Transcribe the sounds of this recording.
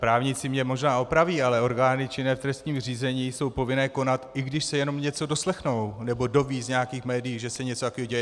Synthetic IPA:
pɾaːvɲɪt͡sɪmɲɛmo̞ʒnaːo̞pɾaviːalɛo̞ɾɡaːnɪt͡ʃɪnɛːft̪ɾɛst̪ɲiːmr̝iːzɛɲiːso̞wpo̞vɪnɛːko̞nat̪ɪɡdɪʃsɛjɛno̞mɲɛt͡so̞do̞slɛxno̞wnɛbo̞do̞viːzɲɛjakiːxmɛːdɪjiːʒɛsɛɲɛt͡sot̪akoiɟɛjɛ

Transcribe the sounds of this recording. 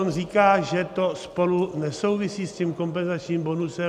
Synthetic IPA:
onriːkaːʒɛt̪o̞spo̞lunɛso̞wvɪsiːscimko̞mp̬ɛnzat͡ʃɲiːmbo̞nusɛ

